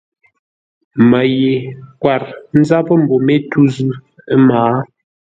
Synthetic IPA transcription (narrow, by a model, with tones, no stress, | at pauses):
mə˨je˨kwa˨ɾn̩˦za˦pə˦m̩˨bo˨me˦tu˦zʉ˦ | ə˦maː˨˦